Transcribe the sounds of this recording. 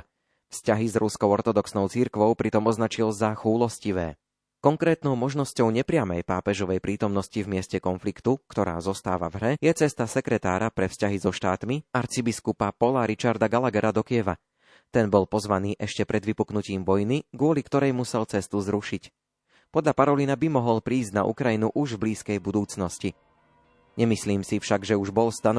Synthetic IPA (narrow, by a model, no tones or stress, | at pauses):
fscaɦizɾuskɔʊɔɾt̪ɔd̪ɔksnɔʊt͡siɾkʋɔʊpɾit̪ɔmɔznat͡ʃilzaxuːlɔsciʋɛ̰ː | kɔŋkɾɛːt̪nɔʊmɔʒnɔscɔʊɲɛpɾɪamɛjpaːpɛʒɔʋɛjpɾiːt̪ɔmnɔscivmɪɛscɛkɔnflikt̪ukt̪ɔɾa̰ːzɔst̪a̰ːʋa̰vɦɾɛjɛt͡sɛst̪asɛkɾɛt̪aːɾapɾɛfscaɦizɔʃt̪aːt̪miaɾt͡sibiskupapɔlaɾit͡ʃaɾd̪aɡalaɡɛɾad̪ɔkiɛʋa̰ | t̪ɛnbɔlpɔzʋaniːʔɛʃcɛpɾɛd̪ʋipuknuciːmʋɔjniɡʊɔlikt̪ɔɾɛjmusɛlt͡sɛst̪uzɾuʃic | pɔd̪ʎapaɾɔlinabimɔɦɔlpɾiːzɟna̰ʔṵkɾajinuʔuʒvbliːskɛjbud̪uːt͡snɔsci | ɲɛmisliːmsifʃaɡʒɛuʒbɔlst̪an